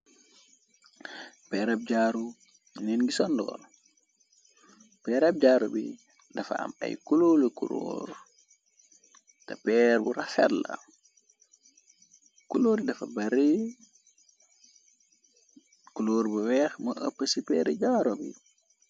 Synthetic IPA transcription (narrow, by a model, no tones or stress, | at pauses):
pɛɾɐb̚ɟaːɾu | nɛnɡisɔndɔ̰ːl | pɛːɾab̚ɟaːɾubḭ | dɐfa̰ɐ̰mɐ̰jkulolikuɾo̰ːɾ | tɐpɛːɾbuɾafɛ̰la̰ | kuloːɾidɐfɐbɐɾi | kuloːɾbuwɛːxməʔəpːəsipɛːɾɛɟaːɾobḭ